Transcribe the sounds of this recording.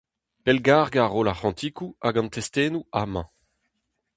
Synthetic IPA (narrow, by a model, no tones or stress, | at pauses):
pɛlɡaːʁɡaʁolaχɑ̃t̪ʰikuaɡɑ̃nt̪ɛst̪eːnuamɑ̰̃